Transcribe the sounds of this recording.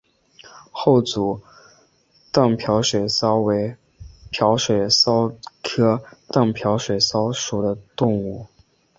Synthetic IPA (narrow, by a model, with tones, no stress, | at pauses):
xo˥˩ʊt͡su˨˩ | t̪ɑ˥˩ŋpʰjɑ˧˥ʊʂwe˨˩ɪsɑ˥ʊwe˧˥ɪ | pʰjɑ˧˥ʊʂwe˨˩ɪsɑ˥ʊkʰɤ˥t̪ɑ˥˩ŋpʰjɑ˧˥ʊʂwe˨˩ɪsɑ˥ʊʂu˨˩d̪ə˦t̪ʊ˥˧ŋu˥˩